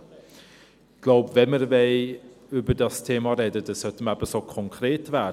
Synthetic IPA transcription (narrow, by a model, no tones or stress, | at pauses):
ɡ̥lawbvɛməɾvej | ʉbədastʰeːmaɾɛdədəsœtəmabəsɔkʰɔŋkʰɾeːtʰva